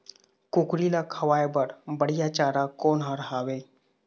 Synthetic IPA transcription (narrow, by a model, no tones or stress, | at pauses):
kʊkɽilakʰəʋaːjbəɽbəɽijat͡ʃaːɾakoːnɦaɾɦaːweː